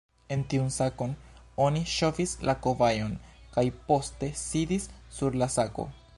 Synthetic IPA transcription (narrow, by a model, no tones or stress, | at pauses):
e̞ntiunsako̞n | o̞niʃo̞fislʔako̞vajo̞nkajpo̞ste̞sidisːuɾlasako̞̰